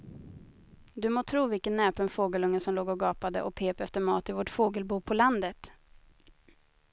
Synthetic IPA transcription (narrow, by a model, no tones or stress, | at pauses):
d̪ɵmoːt̪ʰɾuːvɪlkənːɛːpənfoːɡəlɵŋːəsɔmloːɡɔɡɑːpad̪ə̰ʔɔk̚pʰeːpɛft̪əɾmɑ̰ːt̪ɪvɔʈfoːɡəlbuːpʰɔland̪ət̪